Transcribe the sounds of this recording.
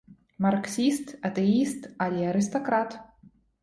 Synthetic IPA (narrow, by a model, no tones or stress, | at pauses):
marksʲist̪at̪ɛist̪alʲiaɾɨs̬t̪okɾat̪